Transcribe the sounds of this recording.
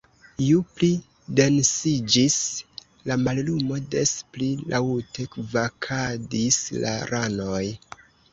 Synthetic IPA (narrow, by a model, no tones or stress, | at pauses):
jupli | de̞nsid͡ʒis | lamallumo̞de̞splilʔawte̞kvakʰadisla̰ɾʔano̞j